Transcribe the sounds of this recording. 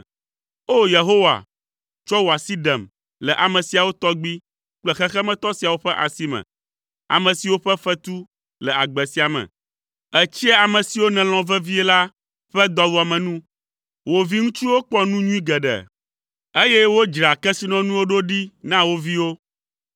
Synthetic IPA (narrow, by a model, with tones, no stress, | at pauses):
o˦je˨ɦo˦wa̰˨ | t͡ʃɔ˦wo˨a˨si˦ɖɛ˨m | lɛ˨ʔa˨mɛ̃˨si˨a˨wo˦t̪ɔ˦ɡ͡bi˦ | k͡plɛ˨xɛ˦xɛ˦mɛ̃˦t̪ɔ˦si˨a˨wo˦ɸɛ˦ʔa˨si˦mɛ̰̃˨ | a̰˨mɛ̃˨si˨wo˦ɸɛ˦ɸɛ˦t̪u˦ | lɛ˨a˨ɡ͡bɛ˨si˨a˨mɛ̰̃˨ | ɛ˨t͡ɕi˦ɛ˦a˨mɛ̃˨si˨wo˦nɛ̃˨lɔ̃˨vɛ˦vi˦ɛ˦la˦ | ɸɛ˦d̪ɔ˦vo˨a˨mɛ̃˨nũ˦ | wo˨vi˦ŋũ˦t͡ʃi˦wo˦k͡pɔ˦nũ˦ɲũ˦ĩ˦ɡɛ˨ɖɛ̰˨ | e˦jɛ˦wo˦d͡ʒɾa˨kɛ˦si˦nɔ̃˦nũ˦wo˦ɖo˦ɖi˦nã˦wo˦vi˦wo˦